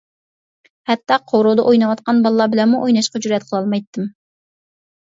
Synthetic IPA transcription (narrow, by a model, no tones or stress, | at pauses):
hɛt̪ːɑqʰoɾod̪ɑʔojnɑwɑt̪qʰɑnbɑlˠːɑbɪlɛnmuʔojnɑʃqɑd͡ʒuɾɛt̪̚qʰəlˠɑlˠmɑjt̪ʰːɨm